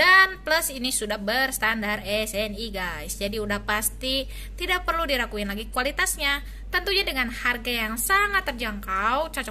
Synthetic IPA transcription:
danpləsinisudahbərst̪andarɛsɛniɡajsd͡ʒadiudahpast̪i | t̪idak̚pərludiɾakuɪnlaɡikualit̪asɲa | t̪ənt̪uɲadəŋanharɡajaŋsaŋat̪ːərd͡ʒaŋkawt͡ʃɔt͡ʃɔ

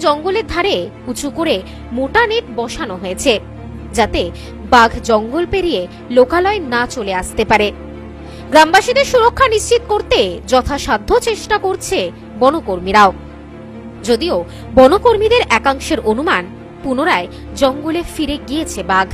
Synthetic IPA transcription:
d͡ʑɔŋɡoleɾd̪ʱaɾekut͡ɕʰukoɾe | moʈaneʈbɔʃanoɦoet͡ɕʰe | d͡ʑat̪e | baɡʱd͡ʑɔŋɡolpeɾie | lokalɔenat͡ɕoleaʃt̪epaɾe | ɡɾambaʃid̪eɾʃuɾokʰːaniʃt͡ɕit̪̚koɾt̪ed͡ʑɔt̪ʰaʃad̪ʱːot͡ɕeʃʈakoɾt͡ɕʰe | bɔnokoɾmiɾao | d͡ʑod̪io | bɔnokoɾmid̪eɾʔɛkaŋʃeɾʔonuman | punoɾae | d͡ʑɔŋɡolefiɾeɡiet͡ɕʰebaɡʱ

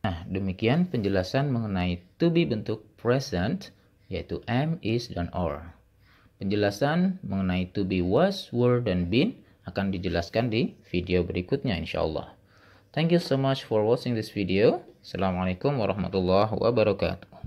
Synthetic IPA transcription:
nahdəmikianpəɲd͡ʒəlasanməŋənait̪ubibənt̪ʊk̚pɾɛsɛnt̪ | jait̪uʔɛmisdɔnɔ̰r | pəɲd͡ʒəlasanməŋənait̪ubiwaswərdanbin | akandid͡ʒəlaskandifidiobəɾikʊt̪̚ɲaḭnʃa̰ʔɑ̰lːɑ̰h | t̪ʰɛŋkjusomat͡ʃfɔrwɔt͡ʃɪŋd̪ɪsfidiosalamalekʊmwaɾɑhma̰t̪ulːaɦwa̰baɾɔka̰t̪u̥

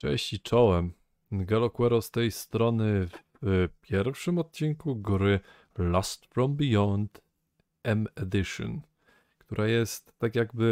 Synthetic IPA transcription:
t͡ʂɛ̰̃ɕt͡ɕit͡ʂɔwɛm | ɡalɔkwɛɾɔst̪ɛjst̪ɾɔnɘv | pʲjɛɾfʂɘmɔt̪̚t͡ɕiŋkuɡɾɘ | last̪fɾɔmbijɔnd̪ | ɛmɛd̪ɘʂɔ̰n | kt̪uɾʔajɛst̪ːakʲjaɡbɘ

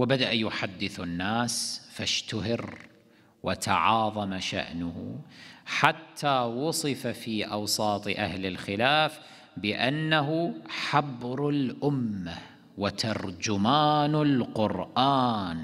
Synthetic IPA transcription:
wɪbad̪aʔjʊħad̪ːɪθanːaːsfaʃt̪ʊɦɪɾ | wɪt̪ɑ̰ʕɑːðˤɑmaʃa̰ʔnʊh | ħat̪ʰːawʊsˤɨfafiːʔɑwsˤɑːt̪ˤɨʔa̰hlɪlxɪlaːf | bɪʔanːaɦʊħabɾalʔʊmːa | wɪt̪ʰɑɾˤd͡ʒʊmaːnalqʊɾʔaːn

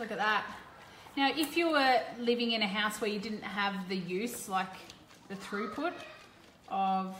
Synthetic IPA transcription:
lʊkɨt̪̚ðæt̚ | naʊʔɪfjəwə˞lɪvɪ̃ŋɨ̃ñɨɦaʊswə˞jɨdɪdⁿn̩t̚ɦəvðɨjʉz̥laɪk | ðɨθɹʉpʰʊɾ | ʔʌv̥

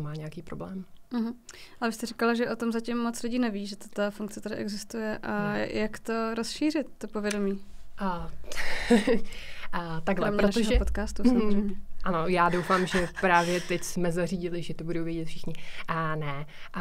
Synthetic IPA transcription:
maːɲɛjakiːpɾoblɛːmm̩ɦ̩avɪst̪ɛrikalaʒɛʔo̞t̪o̞mzacimːot͡slɪɟiːnɛviːʒɛt̪ḁt̪afuŋk̚t͡sɛt̪adɪʔɛɡzɪst̪ujɛʔa̰jakt̪o̞ɾo̞sʃiːrɪt̪̚ːopo̞vjɛdo̞miː | t̪aɡlɛmpɾɛonaɛʒɦoɛpot̪kaːst̪ussamozrejmɲɲɛano̞jaːdowfaːmʒɛpɾaːvjɛt̪ɛcsmɛzariːɟɪlɪʒɛt̪obudowvjɛɟɛt̪fʃɪxɲɪnɛ

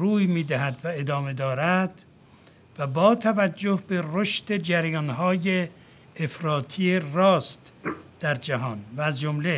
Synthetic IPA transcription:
ruːjmiːd̪æɦæd̪væe̞d̪ɒːme̞d̪ɒːɾæd̪̥ | væbɒːt̪ʰævæd͡ʒːohbe̞roʃt̪e̞d͡ʒæɾjɒnɦɒːjeː | fɾɒːt̪ʰijerɒːst̪ | d̪̥æɾd͡ʒæɦɒːnvæːzd͡ʒomle

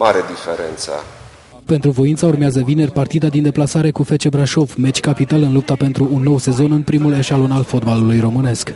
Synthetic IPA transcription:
aɾed̪ifeɾḛnt̪sə̰ | pe̞nt̪ɾuvo̞int̪saurmeazəvine̞rpart̪id̪ad̪ind̪e̞plasaɾe̞kufe̞t͡ʃe̞bɾaʃo̞vmet͡ʃʲkapit̪alɨnlup̚t̪ape̞nt̪ɾuːnːo̞wse̞zo̞nɨnpɾimule̞ʃalo̞nalfo̞t̪balulujro̞mɨne̞sk

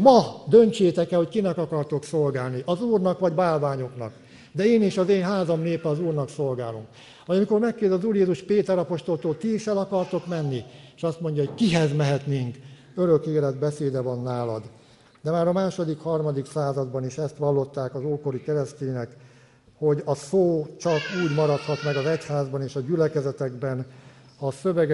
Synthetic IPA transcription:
mɒd̪ø̞nt͡ʃeːt̪ɛkɛlho̞ckinɛkɒkɒrt̪o̞ksolɡaːlniʔɒzuːrnɒkʋɒɟbaːlvaːɲo̞knɒ̰k | d̪ɛeːniʃɒzeːnɦaːzɒmneːpɛɒzuːrnɒkso̞lɡaːlomk | ʋɒjɒmiko̞rmɛkːeːzɒzuːrjeːzuʃpeːt̪ɛɾɒpo̞ʃt̪olt̪oːlt̪iʃɛlɒkɒrt̪o̞kmɛnːieʃɒst̪mo̞ɲɟɒɦo̞ckiɦɛzmɛɦɛt̪neːŋk | øɾø̞keːlɛd̪bɛseːd̪ɛvɒnːaːlɒd̪ | d̪ɛmaːɾɒmaːʃo̞d̪ikhɒrmɒd̪iksaːzɒd̪bɒniʃɛst̪ʋɒlːo̞t̪ːaːkɒzoːko̞ɾikɛɾɛst̪eːɲnɛk | ho̞ɟɒsoːt͡ʃɒkuːɟmɒɾɒt̪hɒt̪mɛɡɒzɛchaːzbɒneːʃɒɟylɛkɛzɛt̪ɛɡbɛn | ɒsøvɛɡ

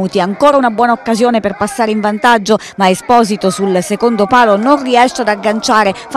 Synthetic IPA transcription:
uːt̪iaŋkoːɾaunabwɔːnaokːazjoːneperpasːaːɾeiɱvant̪ad͡ʒːo | maespɔːzit̪osulsekond̪opaːlononriɛʃːead̪aɡːant͡ʃaːɾef

